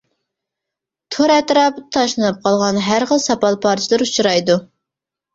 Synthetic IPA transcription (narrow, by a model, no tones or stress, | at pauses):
t̪ʰoɾɛt̪ɾɑpt̪ʰɑʃlˠɨnɨp̚qʰɑlˠʁɑnɦæɾχəlˠsɑpɑlˠpʰɑɾt͡ʃʰilˠɨɾut͡ʃʰɾɑjd̪u